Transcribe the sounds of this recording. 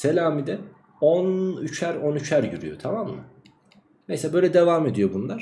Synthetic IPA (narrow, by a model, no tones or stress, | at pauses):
se̞lʲaːmid̪ɛ | onyt͡ʃʰæɾo̞nyt͡ʃʰæɾjyɾyjo̞t̪ʰamamːɯ̰ | nejsɛbø̞jlʲɛd̪e̞vaːme̞d̪ijo̞bunlˠaɾ̥